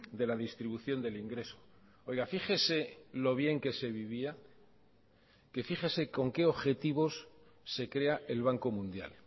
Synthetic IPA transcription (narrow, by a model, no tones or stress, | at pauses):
d̪e̞laðist̪ɾiβuθjo̞nd̪e̞liŋɡɾe̞so̥ | o̞jɣafixe̞se̞lo̞β̞je̞ŋke̞se̞βiβ̞ia | ke̞fiχese̞ko̞ŋke̞o̞βxe̞t̪iβ̞o̞sː | e̞kɾe̞aʔe̞lβaŋko̞mũnd̪ja̰l